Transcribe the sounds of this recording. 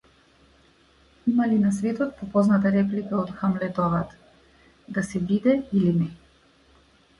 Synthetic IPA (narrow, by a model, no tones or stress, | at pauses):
imalinasvɛt̪ɔt̪̚pɔpɔznat̪aɾɛp̬likaɔt̪xamlɛt̪ɔvat̪ | d̪asɛbid̪ɛilinɛ